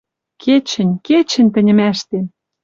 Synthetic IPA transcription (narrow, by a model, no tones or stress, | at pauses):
kʰet͡ɕə̆nʲket͡ɕɘ̆nʲt̪ə̆nʲə̆mæʃt̪em